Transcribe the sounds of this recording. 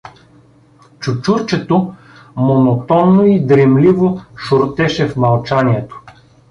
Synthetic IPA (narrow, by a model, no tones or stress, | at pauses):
t͡ʃut͡ʃuɾt͡ʃɛt̪o | monot̪ɔnːoid̪ɾɛmlivoʃʊɾt̪ɛʃɛfmɐlˠt͡ʃaniɛt̪o̥